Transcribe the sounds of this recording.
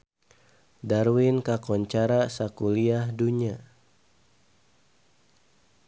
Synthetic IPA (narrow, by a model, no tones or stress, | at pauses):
darwinkakɔɲt͡ʃaɾasakuliahduɲa